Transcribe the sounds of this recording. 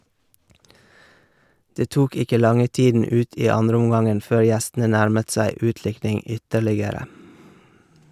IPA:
ˈdeː ˈtuːk ˈɪkə ˈlɑŋə ˈtiːdn̩ ˈʉːt ˈiː ˈɑndɾəʊmˌɡɑŋən ˈføːɾ ˈjæstn̩ə ˈnæɾmət ˈsæɪ ˈʉːtˌlɪknɪŋ ˈʏtəɾlɪɡəɾə

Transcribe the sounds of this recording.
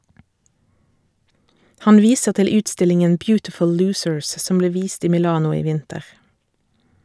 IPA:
ˈhɑn ˈʋiːsəʁ ˈtɪl ˈʉːtˌstɪlɪŋən ˈbjʉːtɪfʊl ˈlʉːsəɹs ˈsɔm ˈbleː ˈʋiːst ˈiː mɪˈlɑːnʊ ˈiː ˈʋɪntəʁ

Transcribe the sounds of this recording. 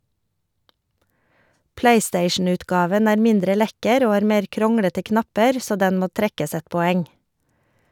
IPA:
ˈpleɪˌsteɪʃn̩ˌʉːtɡɑːʋən ˈæːɾ ˈmɪndɾə ˈlɛkəɾ ˈoː ˈhɑːɾ ˈmeːɾ ˈkɾɔŋɽətə ˈknɑpəɾ ˈsoː ˈdɛn ˈmoː ˈtɾɛkəs ˈɛt pɔˈɛŋ

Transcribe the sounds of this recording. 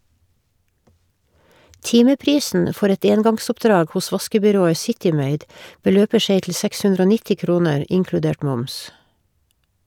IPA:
ˈtɪməˌpɾiːsn̩ ə ˈfɔɾ ˈɛt ˈeːnɡɑŋsɔpˌdɾɑːɡ ˈhʊs ˈʋɑskəbʏˌɾoːə ˈsɪtɪ ˈmeɪd bəˈløːpə ˈseɪ tl̩ ˈsɛks ˈhʉndɾ ˈoː ˈnɪtɪ ˈkɾuːnəɹ ˈʔʔɪŋkɽʉˌdeːʈ ˈmʊms

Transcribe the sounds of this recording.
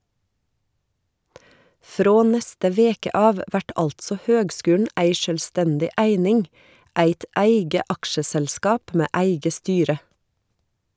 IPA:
ˈfɾoː ˈnɛstə ˈʋeːkə ˈɑːʋ ˈʋæʈ ˈɑltsɔ ˈhøːɡˌskʉːɳ̩ ˈæɪ ˈʃøːlˌstɛndɪ ˈæɪnɪŋ ˈæɪt ˈæɪɡə ˈɑkʃəsɛlˌskɑːp ˈmeː ˈæɪɡə ˈstyːɾə

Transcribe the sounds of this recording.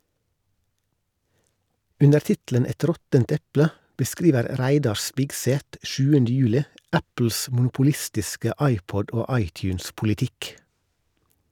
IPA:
ˈʉnəɾ ˈtɪtl̩ən ˈɛt ˈɾɔtənt ˈɛplə bəˈskɾiːʋəɾ ˈɾæɪdɑɾ ˈspɪɡseːt ˈʃʉːəndə ˈjʉːlɪ ˈæpl̩s mʊnʊpʊˈlɪstɪskə ˈɑɪˌpɔd ˈoː ˈɑɪˌtjʉːnspʊlɪˌtɪk

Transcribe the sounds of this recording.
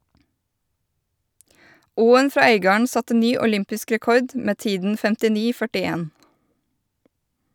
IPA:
ˈuːən ˈfɾɑː ˈœʏɡɑːəɳ ˈsɑtə ˈnyː ʊˈlʏmpɪsk ɾɛˈkɔɾd ˈmeː ˈtiːdn̩ fɛmtɪˈniː fœʈɪˈeːn

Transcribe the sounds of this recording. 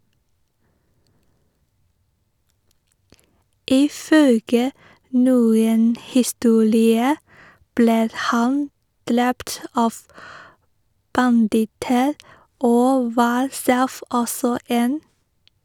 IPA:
ɪˈfœlɡə ˈnuːən hɪˈstuːɾɪə ˈbleː ˈhɑn ˈdɾɛpt ˈɑːʋ bɑnˈdɪtəɾ ˈoː ˈʋɑːɾ ˈsɛf ˈɔsɔ ˈeːn

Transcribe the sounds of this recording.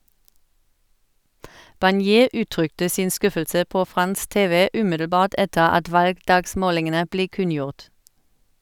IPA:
bɑnˈjeː ˈʉːˌtʁʏktə ˈsɪn ˈskʉfəlsə ˈpoː ˈfʁɑns ˈteːʋə ˈʉːmɪdl̩ˌbɑːʁt ˈɛtəʁ ˈɑt ˈʋɑlɡˌdɑːɡˌsmoːlɪŋənə ˈbleː ˈkʉnˌjʊʁt

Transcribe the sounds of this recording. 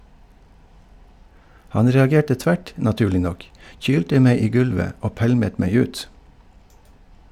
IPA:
ˈhɑn ɾɛɑˈɡeːʈə ˈtʋæʈ nɑˈtʉːlɪ ˈnɔk ˈçyːltə ˈmeɪ ˈiː ˈɡʉlʋə ˈoː ˈpælmət ˈmeɪ ˈʉːt

